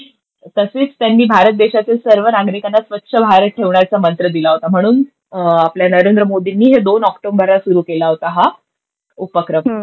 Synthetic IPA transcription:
t̪əseːt͡st̪janːiːbʱaɾət̪̚d̪eɕat͡sesəɾʋənaɡɾikanːasʋətːɕʰəbʱaɾəʈʰeʋɳ̃aɾt͡samənt̪ɾəd̪ilaɦot̪am̤əɽ̃uːn | apljanəɾend̪ɾəmod̪ʱinːiːɦed̪onɔkʈobəɾlasuɾuːkelaɦot̪aɦa | upəkɾəm

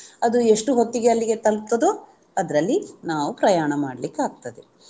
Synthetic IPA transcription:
ɐd̪ue̞ʂʈuɦot̪ːiɡeɐlːiɡet̪ɐlp̚t̪ɐd̪o | ɐd̪ɾɐlːinaːʋupɾɐjaːɳɐmaːɽlikːaːɡ̚t̪ɐd̪e

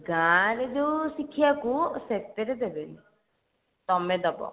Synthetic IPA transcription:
ɡãɾed͡ʒewsikʰːjakuset̪eɾed̪ebeni | t̪ɔmed̪ɔbɔ̰

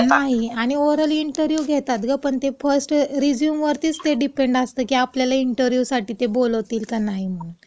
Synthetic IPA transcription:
naɦiaɽ̃ioɾəliɳʈəɾʋjuːɡʱet̪at̪ɡəpəɳt̪efəɾsʈɾid͡ʑjuːmʋəɾt̪iːt͡st̪eɖipeɳɖast̪əːkiːapljalaiɳʈəɾʋjusaʈiːt̪ebolʋt̪iːlkanaɦim̤əun

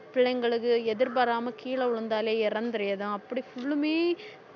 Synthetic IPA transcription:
pɪɭɐɪŋɡɐɭɯkːɯɛðɪɾbɐɾaːmɐkiːɭɐʊɻɐnd̪aːleːɪɾɐnd̪ɪɾɐjɐðɯ̃ɐpːɐɽifʊɭːɯmeː

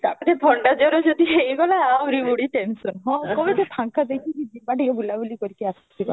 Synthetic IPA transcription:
t̪apɔt̪epʰɔɳɖad͡ʒɔɾɔd͡ʒɔd̪iɦejbelaawɾibuɽiʈensɔnɦɔ̃kɔbed͡ʒep̪ʰãŋkʰad̪ejkʰid͡ʒid̪imbaʈikɔbulabulikɔɾikiast̪ʰiba̰

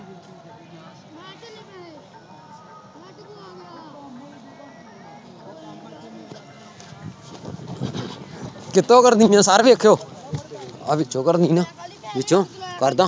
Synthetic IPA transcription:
kɪt̪ːõːkəɾd̪ĩːmɛ̃ːsaːɾʋeːkʰjoː | a̰ʋɪt͡ʃʰõːkəɾd̪ĩːnaːʋɪt͡ʃʰõːkəɾd̪ãː

